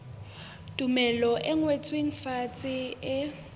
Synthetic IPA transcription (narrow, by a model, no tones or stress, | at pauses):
tʼumɛlɔʔɛŋwet͡sʼweŋ̩fat͡sʼɪɪ